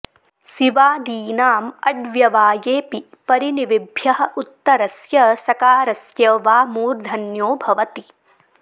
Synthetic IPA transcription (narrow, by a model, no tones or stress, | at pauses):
siʋaːd̪iːnaːmɐɖʋjɐʋaːjeːpi | pɐɾiniʋibʱjɐɦɐ̆ʔut̪ːɐɾɐsjɐsɐkaːɾɐsjɐʋaːmuːɾd̪ʱɐnjoːbʱɐʋɐt̪i